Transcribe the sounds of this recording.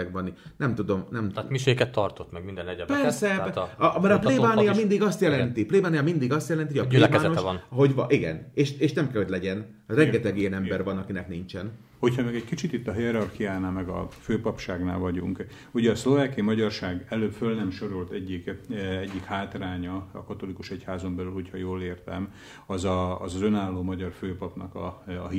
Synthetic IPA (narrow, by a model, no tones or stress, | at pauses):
ɛɡʋɒninɛmt̪ud̪o̞mnɛmmiʃeːkɛt̪ːɒrt̪ot̪mɛɡmind̪ɛnɛɟɛpɛrsɛɒmɛɾɒpleːbaːnijɒmind̪iɡɒst̪jɛlɛnt̪ipleːbaːnijɒmind̪iɡɒst̪jɛlɛnt̪iojɒplebaːnonɦo̞ɟɒʔiɡɛ̰neːʃeːʃnɛmkɛlho̞ɟlɛɟɛn | rɛŋɡɛt̪ɛɡijɛnɛmbɛrvɒnɒkinɛknint͡ʃɛn | ho̞cʰhɒmɛɡɛckit͡ʃit̪it̪ːɒɦiɛɾɒrkijaːnaːlmɛɡɒ̰føːpɒpʃaːɡna̰ːlvɒɟṵŋk | uɟɛɒslo̞vaːkijimɒɟɒrʃaːɡɛløːpfølnɛmʃo̞ɾolt̪ɛɟːikɛɟːikhaːt̪raːɲɒɒ̰kɒt̪o̞likuʃɛchaːzo̞mbɛlylho̞cʰhɒjoːleːrt̪ɛm | ɒzɒːzɒzønaːlːoːmɒɟɒrføːpɒpnɒkɒɦi